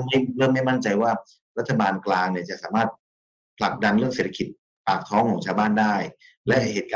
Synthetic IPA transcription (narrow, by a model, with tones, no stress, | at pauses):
ma˥˩jɾɤː˥˩ŋma˥˩jma˥˩nt͡ɕa˧jwaː˥˩ | ɾa˦˥t̪ʰːa˧baː˧nklaː˧ŋni˥˩t͡ɕa˨˩ʔsaː˩˦maː˥˩t̪̚ | pʰla˨˩k̚da˧nɾɯ˥˩əŋseː˨˩t̪ʰa˧ki˨˩t̪̚ | paː˨˩k̚t̪ʰɔː˦˥ŋkʰɔː˨˦ŋt͡ɕʰaː˧wbaː˥˩ndaː˥˩j | lɛ˦˥ʔheː˨˩t̪̚kː